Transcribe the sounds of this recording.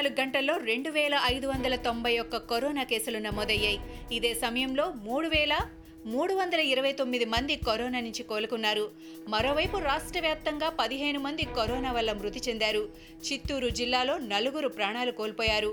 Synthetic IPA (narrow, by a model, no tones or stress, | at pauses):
luɡɡɐɳʈɐlːo̞ːɾe̞ɳɖuʋɛːlɐʔɐjd̪uʋɐnd̪ɐlɐt̪o̞mbʱɐjɔkːɐkoɾɔːnaːkeːsulunɐmoːd̪ɐjːaːjiid̪e̞ːsɐmɐjɐmlo̞ːmuːɽuʋɛːlɐ | muːɽuʋɐnd̪ɐlɐiɾɐʋɐjt̪omːid̪imɐnd̪ikoɾɔːnaːnuɲt͡ʃikoːlukunːaːɾu | mɐɾo̞ːʋɐjpuɾaːʂʈɾɐʋjaːp̚t̪ɐŋɡaːpɐd̪iɦe̞ːnumɐnd̪ikoɾɔːnaːʋɐlːɐmɾut̪ːit͡ʃe̞nd̪aːɾu | t͡ʃit̪ːuːɾud͡ʒilːaːlo̞ːnɐluɡuɾupɾaːɳaːlukoːlpɔːjaːɾu